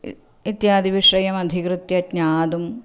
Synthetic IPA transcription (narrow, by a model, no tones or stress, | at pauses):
it̪jaːd̪iʋiʂɐjɐmɐd̪ʱikɾɨt̪jɐtɲaːd̪um